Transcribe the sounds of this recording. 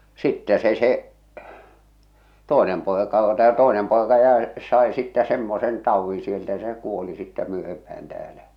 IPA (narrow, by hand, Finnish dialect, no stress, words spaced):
sitːɛ se se toˑenem poˑekɑ o tæː toˑenem poˑekɑ jæe sɑe sitːæ semːosen tɑuʋːĩː sieltæ jɑ se kuoli sitːæ myøhempæh̞æn tæːlæ